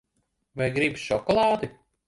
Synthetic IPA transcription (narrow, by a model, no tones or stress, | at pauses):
vajɡɾibʃɔkɔlˠaːd̪i